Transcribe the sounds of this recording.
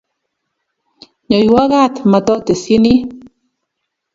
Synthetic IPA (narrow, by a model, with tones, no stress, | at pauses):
ɲɔ˨ju˨˦a˦ɣa˦˨t̪ma˨tɔ˦te˨si˦ni˦